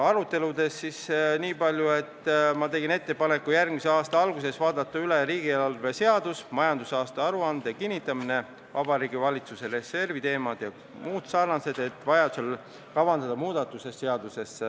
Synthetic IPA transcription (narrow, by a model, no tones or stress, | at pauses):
ɑɾut̪ːe̞lud̪e̞sːisniːpɑlʲjue̞t̪ːˑmɑt̪e̞ɡine̞t̪ːe̞pɑne̞kːˑujærɡmiseɑːst̪ɑɑlɡ̥use̞svɑːd̪ɑt̪ːˑɑyleɾiːɡielɑlve̞se̞ɑd̪̥usmɑjɑnd̪usɑːst̪ɑɑɾuɑnd̪ekinʲːit̪ːˑɑmine̞ | vɑbɑɾiːɡivɑlʲit̪susere̞se̞rvit̪e̞ːmɑd̪̥jɑ | muːd̪sɑrnɑse̞d̪̥e̞t̪ːˑvɑjɑd̪u̥sel | kɑvɑnd̪ɑd̪̥ɑmuːd̪̥ɑt̪ːˑuse̞sːe̞ɑd̪̥use̞s